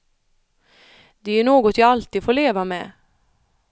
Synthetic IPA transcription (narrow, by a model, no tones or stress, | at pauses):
d̪̥ɛæɳoːɡɔt̪jɑɑlt̪iːfoːɭeːʋameː